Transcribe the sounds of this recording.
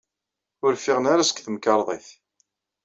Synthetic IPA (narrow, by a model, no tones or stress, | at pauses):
ʊɾfɪʁənaɾasə̥kθəmkɑɾˤðˤeθ